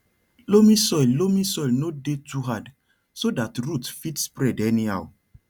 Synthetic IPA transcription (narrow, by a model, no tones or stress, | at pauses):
lomĩsɔjllomĩsɔjlnodetuɦad | sodatɹutfitspɹɛdɛniha̰w